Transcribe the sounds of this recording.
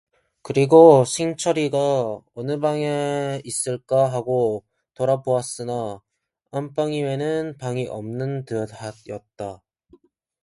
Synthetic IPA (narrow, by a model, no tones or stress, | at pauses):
kɯɾiɡosʰiŋt͡ɕʰʌɾiɡaʌnɯbaŋeis͈ɯɭk͈aɦaɡo | toɾaboas͈ɯna | amp͈aŋiwe̞nɯnpaŋiʔʌmnɯntɯjʌt̚t͈a